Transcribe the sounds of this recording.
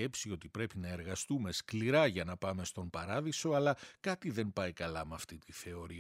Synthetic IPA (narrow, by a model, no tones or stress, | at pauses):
e̞psio̞t̪ipɾe̞pinɐe̞ɾɣɐst̪ume̞skliɾɐʝɐnɐpɐme̞st̪o̞npɐɾɐðiso̞ɐlɐkɐt̪iðe̞npɐikɐlɐmeɐft̪it̪iθe̞o̞ɾi